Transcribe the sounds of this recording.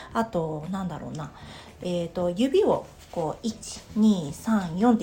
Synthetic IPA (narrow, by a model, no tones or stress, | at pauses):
at̪o̞nãnd̪aɾo̞̰ːna | et̪o̞jɯ̟bʲio̞̰ | koit͡ɕi̥ɲ̟iːsãɰ̃jõ̞nt̪e